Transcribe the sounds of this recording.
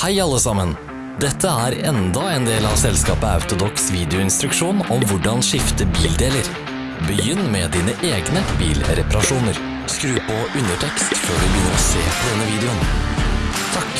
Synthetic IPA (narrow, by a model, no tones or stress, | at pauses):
hæɪɑlːəsɑmən | d̪ɛt̪ʰːəæːɾɛnd̪ɑeːnd̪eːlɑʋsɛlskɑːpəɑ̰ʉt̪ʊd̪ɔksʋiːd̪ɪʊɪnst̪ɾʉkʂuːnɔmʋʊɖɑnʂɪft̪əbiːld̪eːləɾ | bəjʏnːmɛd̪iːnəʔeːɡnəbḭːlɾɛpɑɾɑʂuːnəɾ | skɾʉːpɔʉnəʈʰɛkst̪føːɖʉbəjʏnːəɾɔsḛːpɔd̪ɛnːəʋiːd̪ɛʊn | t̪ʰɑk